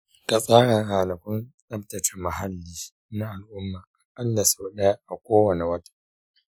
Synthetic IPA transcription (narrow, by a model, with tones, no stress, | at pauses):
ka˨sʼa˦ɽɐ˨ŋhaː˨nɐ˨kʷʊ˦nɗɐ˦mtɐ˨t͡ʃɪ˦mɐ˨ɦa˦lːiː˦ | na˦ʔa˨lʔʊ˦mːaː˨ʔa˦lːa˨sa˦ɗɐ˦ja˦ʔa˨kʷoː˦wɐ˨ne˨wɐ˦tḁ˦